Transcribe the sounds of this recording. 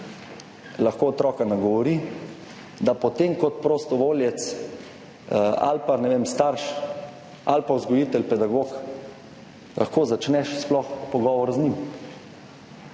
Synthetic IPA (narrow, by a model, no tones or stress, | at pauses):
laxkoːt̪ɾɔːkanaɡɔʋɔɾi | d̪apɔt̪emkɔt̪pɾoːst̪ɔʋoːljɛt̪s | a̰lpanɛʋemst̪aɾʃ | alpaʊzɡɔjiːt̪ɛlpɛd̪aɡok | lʔaxkoːzat͡ʃnɛʃsplɔxpɔɡɔːʋɔɾznim